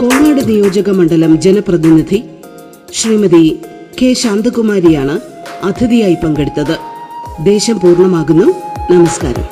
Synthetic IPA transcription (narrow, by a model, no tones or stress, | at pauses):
ko̞ːnaːɽɐnijo̞ːd͡ʑɐɣɐmɐɳɖɐlɐmd͡ʑenɐprɐðinid̪ʱi | ɕriːmɐði | ke̞ːɕaːnd̪ʱɐkumaːɾijaːɳɨ | ɐd̪ʰiðijaːjipɐŋɡeɽut̪ːɐðɨd̪e̞ːɕɐmpuːrɳɐmaːɣunːunɐmɐska̰ːɾɐ̰m